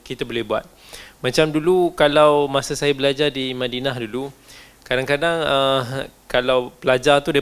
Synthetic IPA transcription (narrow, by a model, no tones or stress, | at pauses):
kit̪abolɛhbua̰t̪̚mãt͡ʃamdulukalawmãsasajabəlad͡ʒardimãdinahdulu | kadaŋkadaŋəkalawpəlad͡ʒart̪ud